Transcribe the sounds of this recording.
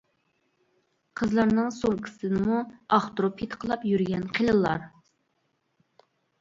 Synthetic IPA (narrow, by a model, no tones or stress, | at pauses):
qʰəzlˠɑɾnɨŋsoŋqʰə̥sɨnɨmuɑχt̪ɾopʰit̪qʰəlˠɑpjyɾɡʲɛnqʰelˠɨlˠːɑ̰ɾ